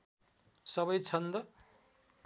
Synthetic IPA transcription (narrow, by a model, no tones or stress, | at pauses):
sʌbʌjt͡sʰʌnd̪ʌ